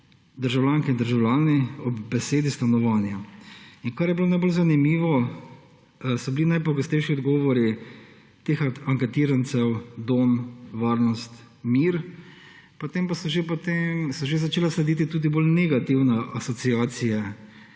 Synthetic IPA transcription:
d̪əɾʒawlʲaːŋkɛind̪əɾʒawlaːniɔbbɛseːd̪ist̪anɔʋaːnjainkaɾjɛbilonajbolzanimiːʋɔ | sɔbilinajpɔɡɔst̪ɛjʃiɔd̪ɡɔːʋɔɾi | t̪eːxaŋkɛt̪iːɾant̪sɛwd̪oːmʋaːɾnɔst̪ | miːɾ | pɔt̪eːmpasɔʒepot̪emsɔʒezat͡ʃeːlaslɛd̪it̪̬it̪uːd̪iboːlnɛɡat̪iwnaʔasɔt̪siaːsija

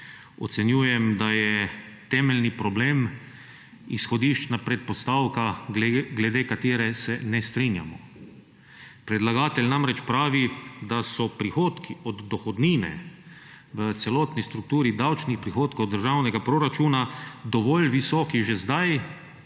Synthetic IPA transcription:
ɔ̰t̪sɛnjuːjɛmd̪ajɛ | t̪ɛːmɛlnipɾɔbleːm | isxɔd̪iːʃt͡ʃnapɾɛt̪̚pɔst̪aːwkaɡɡlɛd̪eːkat̪eːɾɛsɛnɛst̪ɾinja̰mɔ | pɾɛd̪laɡaːt̪ɛlʲnamɾɛt͡ʃpɾaːʋid̪asɔpɾixoːt̪kiɔd̪ːɔxɔd̪niːnɛ̰ | ʋət̪sɛlɔːt̪nist̪ɾuk̚t̪uːɾid̪awt͡ʃnixpɾixoːt̪kowd̪ːəɾʒawnɛɡapɾoɾat͡ʃuːnad̪ɔʋɔlʋisɔːkiʒɛzd̪aj

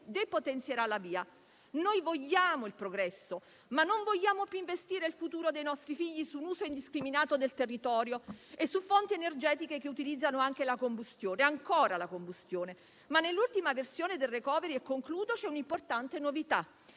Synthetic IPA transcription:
d̪epot̪ent̪sjeɾalaviːa | nojvoʎːaːmoilpɾoɡɾɛsːo | manːoɱvoʎːaːmopjuiɱvest̪iːɾeilfut̪uːɾod̪ejnɔst̪ɾifiʎːisunuːzoind̪iskɾiminaːt̪od̪elt̪erːit̪ɔːɾjoesːufːont̪ienerd͡ʒɛːt̪ikekeut̪ilid̪zːanoaŋk̟elakombust̪joːneaŋkoːɾalakombust̪joːne | manːelːult̪imaversjoːned̪elːekɔːveɾiɛkːoŋkluːd̪ot͡ʃɛunimport̪ant̪enovit̪a

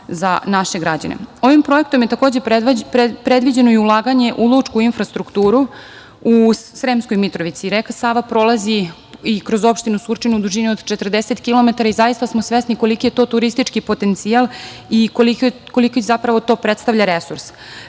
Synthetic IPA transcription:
zanaʃe̞ɡɾad͡ʑa̰nḛo̞ʋimpɾo̞ekt̪o̞mjet̪ako̞ːd͡ʑe | pɾed̪ʋid͡ʑe̞noiulˠaːɡaɲe̞ʔud̪lˠut͡ʂkuinfɾast̪ɾukt̪uːɾu | usɾemsko̞jmit̪ɾo̞ʋit̪siɾekasaːʋapɾo̞lˠazi | ikɾo̞zo̞pʃt̪inusuɾt͡ʃinud̪uʒiniod̪t͡ʃet̪r̩d̪eset̪kilo̞met̪aɾaizajist̪asmosʋesniko̞likijet̪o̞t̪uɾist̪it͡ʂkipo̞t̪ent̪sialˠikolikko̞likozapɾaʋo̞t̪o̞ːpɾet̪st̪aʋʎaɾesuɾs

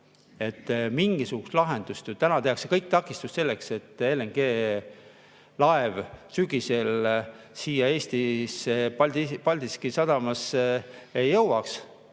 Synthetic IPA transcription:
e̞t̪ːmiŋɡ̥isuɡ̥ust̪lɑɦe̞nd̪̥ust̪jut̪ænɑt̪eɑkse̞kɤjk̚t̪ɑkːˑist̪ust̪se̞lːe̞kse̞t̪ːeleŋɡ̥e̞ː | lɑevsyɡ̥ise̞l | siːjɑe̞ːsʲt̪ispɑld̪ipɑlʲd̪̥iskisɑd̪̥ɑmɑs | ejːɤwwɑks

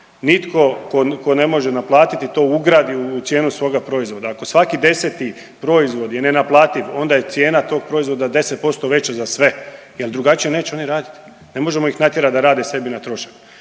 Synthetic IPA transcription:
nit̪ko̞koko̞ne̞mo̞ʒenaplˠaːt̪it̪it̪o̞ːuɡɾaːd̪iuːt̪sjeːnusʋo̞ːɡapɾo̞izʋo̞d̪aːko̞sʋakid̪e̞set̪i | pɾo̞izʋo̞d̪jenenaplˠaːt̪iʋo̞nd̪ajet̪sje̞ːnat̪o̞ːɡ̚pɾo̞izʋo̞d̪ad̪e̞set̪̚po̞tst̪o̞ʋe̞t͡ɕazasʋe̞ | jeld̪ɾuɡat͡ʃije̞ne̞ːt͡ɕɛo̞niɾaːd̪it̪i̥ | ne̞mo̞ʒe̞mo̞ixnat̪je̞ɾad̪aɾaːd̪ese̞binat̪ɾo̞ʃḁku̥

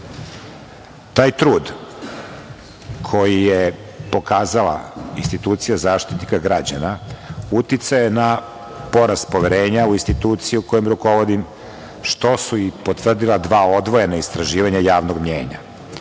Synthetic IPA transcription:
t̪aːjt̪ɾuːd̪ | kʰo̞jije | po̞kaːzalˠa̰inst̪it̪uːt̪sijazaːʃt̪i̥t̪nikaɡɾad͡ʑanaut̪it̪sajena | po̞ɾast̪poʋeɾeːɲauinst̪it̪uːt̪sijiuko̞jomɾuko̞ʋod̪im | ʃt̪o̞suipo̞t̪ʋr̩d̪ilˠad̪ʋaːo̞d̪ʋo̞jenaist̪ɾaʒiːʋaɲajaːʋnoɡmɲḛːɲa̰

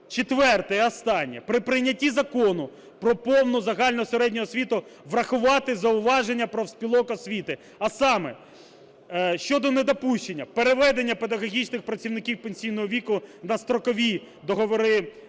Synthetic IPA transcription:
t͡ʃet̪ʋɛrt̪ɛjɛɐst̪ɑnʲːɐ̰pɾɪpɾɪjnʲɐtʲizɐkɔnʊ | pɾɔpɔwnʊzɐɦɑlʲnɔseɾɛdʲnʲɔɦɔsʲʋʲit̪ʊʋrɐxʊʋɑt̪ɪzɐʊʋɑʒenʲːɐpɾɔwsʲpʲilˠɔkɔsʲʋʲit̪ɪ | ɐsɑmɛ | ʃt͡ʃɔd̪ɔned̪ɔpuʃʲt͡ʃenʲːɐpeɾeʋɛd̪enʲːɐpe̞d̪ɐɣɔɦʲit͡ʃnɪxpɾɐt͡sʲiwnɪkʲiwpenʲsʲijnɔɦɔʋʲikʊnɐst̪ɾɔkɔʋʲi | d̪ɔɦɔʋɔɾɪ

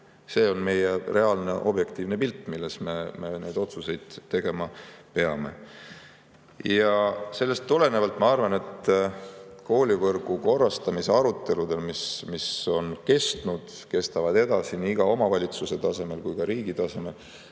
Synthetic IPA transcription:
se̞ːo̞nme̞jere̞ɑlne̞ʔo̞̰bje̞kt̪iːvne̞pilt̪ːˑmilːesme̞me̞ne̞jd̪o̞t̪suse̞jd̪̥t̪ːe̞ɡ̥e̞mɑpe̞ɑme̞̰ | jɑse̞lːe̞st̪ːule̞nevɑlt̪ːˑmɑɑrvɑne̞t̪ | ko̞ːlʲivɤrɡ̥uko̞rːɑst̪ɑmise̞ɑɾut̪ˑːe̞lud̪̥e̞lmismiso̞nke̞st̪nud̪̥ | ke̞st̪ɑvɑd̪̥e̞d̪ɑsiniiɡ̥ɑo̞mɑvɑlʲit̪suse̞t̪ɑse̞me̞lkujkɑɾiːɡit̪ɑse̞me̞l

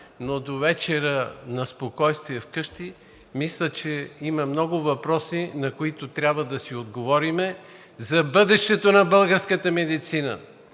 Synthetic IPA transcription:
nod̪ovɛt͡ʃɛɾənɐspokɔjst̪viɛfkɤʃt̪i | mislʲət͡ʃɛimɐmnɔɡʊvɐpɾɔsinɐkoit̪ʊt̪ɾʲjabvəd̪ɐsiod̪ɡovɔɾimɛ | zɐbɤd̪ɛʃt̪ɛt̪onɐbɤlˠɡəɾskət̪əmɛd̪it̪sinə̰

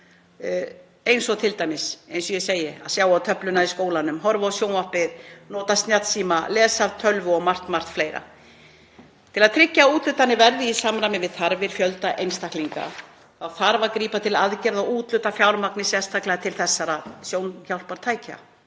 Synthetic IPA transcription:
ejnsɔt̪ʰɪlt̪aːjmɪsejnsɔjɛseːjɪa̰ðsjaːwawt̪ʰœplʏnaiskoːwlanʏmɦɔɾvaːwsjownɔhpɪðnɔːt̪ast̪njat̪siːmalɛːsaɾt̪ʰœlvʏɔɣmar̥t̪mar̥t̪fleːjɾa̰ | t̪ʰɪlaðt̪ʰɾɪcːauːt̪lʏt̪anːɪvɛɾðɪisamɾamɪvɪðθaɾvɪɾ̥fjœlt̪aʔejnst̪ahkliŋka̰ | θawθaɾvaɾkɾiːpat̪ʰɪlaðcɛɾðauːt̪lʏt̪afjawɾmaknɪsjɛst̪ʰaklaat̪ʰɪlθɛsːaɾaðsjoːwnçawl̥paɾ̥t̪ʰaːjca̰

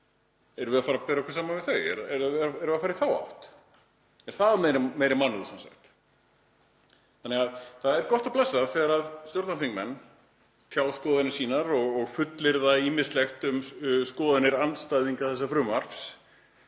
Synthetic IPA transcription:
ɛɾʏvɛðafaːɾapɛːɾaɛkvas̬aːmavɪðθœɥɛ̰ɾɛɾɛɾaɛɾvɛafaːɾɪθawa̰ht̪ | ɛɾ̥θaðmejɾɪmeːjɾɪmanːʏðsamsa̰xt̪ | θanɛɣaðθaðɛɾkɔht̪aplɛsːaθɛɣaɾaðst̪jowɾt̪nafiŋkmɛnː | t̪ʰjaːwskɔːðanɪsiːnaɾɔɣɔɣfʏt̪lɪɾðaimɪst̪lɛxt̪ʏmskɔːðanɪɾant̪st̪ajðiŋkaðθɛsːafɾʏːmaɾ̥ps

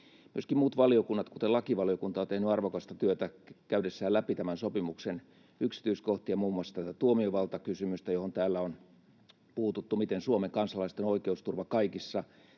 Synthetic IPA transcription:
myøskimmuːt̪ʋɑliokunːɑt̪kut̪elɑkiʋɑliokunt̪ɑont̪ehnyɑrʋokɑst̪ɑt̪yøt̪ækæydesːæːlæpit̪æmænsopimuksen | yksi̥t̪yiskoht̪iɑmuːmuɑsːt̪æt̪æt̪uomioʋɑlt̪ɑkysymyst̪æjohont̪æːlːæon | puːt̪ut̪ːumit̪ensuomeŋkɑnsɑlɑist̪enoikeust̪urʋɑkɑikisːɑ

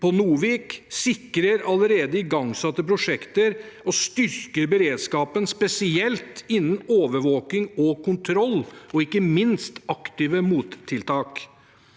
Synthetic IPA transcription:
pʰɔnuːʋiːksɪkːɾəɾɑləɾeːd̪əɪɡɑŋsɑt̪ːəpɾʊʂɛkt̪əɾ | ɔst̪ʏɾkəɾbəɾeːd̪skɑːpənspɛsɪɛlt̪ɪnːn̩oːʋəɾʋoːkɪŋɔkʊnt̪ʰɾɔlːɔɪkːəmɪnst̪ɑkt̪iːʋəmuːt̪ʰːɪlt̪ʰɑːk

